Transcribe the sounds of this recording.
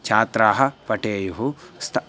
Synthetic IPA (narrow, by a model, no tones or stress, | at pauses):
t͡ʃʰaːt̪ɾaːɦɐʋɐʈeːjuɦust̪ʰ